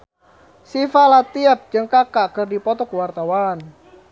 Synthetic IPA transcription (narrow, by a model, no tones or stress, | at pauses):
sifalat̪iəp̚d͡ʒəŋkakakərdipɔt̪ɔkwart̪awan